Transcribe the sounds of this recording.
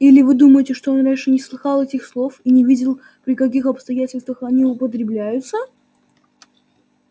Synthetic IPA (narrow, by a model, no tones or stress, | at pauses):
ilʲɪvɨd̪uməjɪtʲɪʂt̪o̞onɾʲænʲʂɨnʲɪslˠɨxɑlˠɛtʲɪxslˠo̞finʲɪvʲidʲɪlˠ | pɾʲɪkɐk̬ʲixɐpst̪ɐjætʲɪlʲst̪vəxɐnʲiʊpət̪̬ɾʲɪblʲæjʊt̪sə